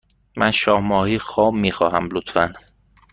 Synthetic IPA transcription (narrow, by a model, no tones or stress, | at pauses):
mænʃɒːhmɒːhiːxɒːmːiːxɒːɦæmlot̪fæn